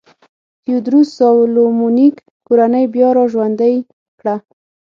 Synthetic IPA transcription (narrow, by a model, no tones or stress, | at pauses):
t̪iud̪ɾusawlomunik | koɾanəjbjɑɾɑʒwand̪əj | kɽa